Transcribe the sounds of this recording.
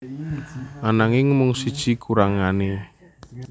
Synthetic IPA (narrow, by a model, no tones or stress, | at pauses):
ʔanaŋɪŋmʊŋsid̥ʒ̥i̤kʰuɾaŋane